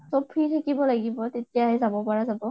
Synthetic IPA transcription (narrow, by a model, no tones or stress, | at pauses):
sɔpʰːitʰakibɔlaɡibɔtetijaɦɛzabɔpaɹazabɔ